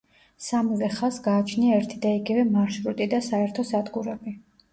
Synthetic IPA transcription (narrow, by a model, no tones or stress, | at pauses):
samilɛχasɡaːt͡ʃʰniaɛɾt̪ʰid̪aiɡivɛmaɾʃɾut̪ʼid̪asaɛɾt̪ʰɔsad̪ɡuɾɛbi